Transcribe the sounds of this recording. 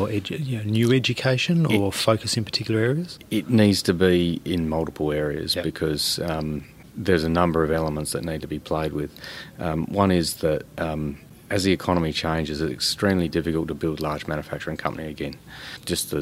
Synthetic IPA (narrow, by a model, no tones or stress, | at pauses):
ɛjɨnoʊnjʉɛd͡ʒɨkʰeɪʃɨ̃nəfoʊkɨsɨ̃npʰə̥tʰɪkjl̩ˠə˞ɛɹiɨz̥ɪtⁿnidz̥tʰɨbiɪ̃nmʌlˠtəpʰl̩ˠɛɹiɨ̰zb̥ɨkʰʌz̥ | ðə˞zɨnʌ̃mbə˞ʌvɛlˠəmə̃ntsðɨtⁿnid̚tʰəbipʰl̥eɪd̚wɪð̥ | wʔʌ̃ñɪzðɨtʔʌm | ɨzðiɨkʰɑnəmit͡ʃʰẽɪ̃nd͡ʒɨzɨɾɨ̰kstɹ̥ĩmlidɪfɨkəl̩ˠtʰəbɪlˠdˡlɑɹd͡ʒmæ̃njəfæk̚t͡ʃə˞ɨ̃ŋkʰʌ̃mpəniɨɡɛ̃n̥d͡ʒʌsðɨ